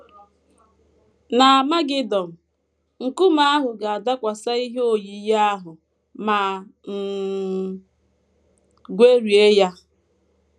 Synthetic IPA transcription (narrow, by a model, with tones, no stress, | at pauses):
na˨a˨ma˦ɡɪ˦dɔ˨n̩˨ | ŋ̩˨kʊ˦ma˦a˦ɦʊ˨ɡa˨a˨da˦kʷa˨sa˦i˦ɦo˦˨ji˨ja˦a˦ɦʊ˨ | ma˨m̩˨ | ɡʷe˦ɾi˨e˦ja˦